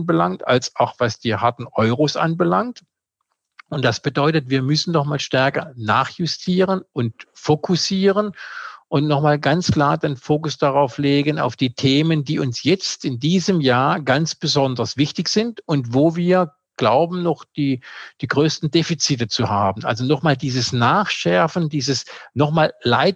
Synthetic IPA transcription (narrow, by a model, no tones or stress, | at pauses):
nbəlaŋta̰lsaʊxv̥asd̥iːhaɐtn̩ʔɔʏʁosʔa̰nbəlaŋt | ʊnt̚d̥asb̥ədɔʏtətv̥iːɐmʏsn̩nɔχmaːlʃtɛɐkɐna̰ːχjʊstʰiːʁənʊntfokʰʊsiːʁənʔʊntnɔχmaːlɡant͡skl̥aːɐdenfoːkʊsd̥aʁaʊfleːɡəna̰ʊfd̥iːtʰeːməndiːʊnsjɛt͡stɪndiːzəmjaːɐɡant͡sb̥əzɔndɐsv̥ɪçtɪçz̥ɪntʊntvoːviːɐ | ɡ̥laʊbm̩nɔχd̥iːd̥iːɡʁøːstn̩deːfit͡sitət͡suhaːbn̩ʔa̰lzonɔχmaːldiːzəsnaːχʃɛɐfn̩diːzəsnɔχmaːlla̰ɪt̚